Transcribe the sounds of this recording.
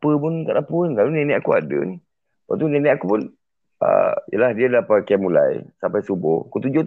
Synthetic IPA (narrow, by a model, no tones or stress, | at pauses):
pəpʊnk̪aʔdapunkalunɛnɛakuadə̰ni | wa̰t̪̬unenɛakupʊn | ə̰ijə̰lahdiadlapakamula̰jsampajsubʊ̰hakut̪ud͡ʒot̪